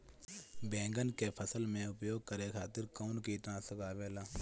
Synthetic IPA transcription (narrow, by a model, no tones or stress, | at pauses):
bɛ̃ːŋɡənkepʰəsəlmẽʊpjoːɡ̚kəɾekʰaːt̪ɪɾkɔːnkit̪nãsəkaːbeːlaː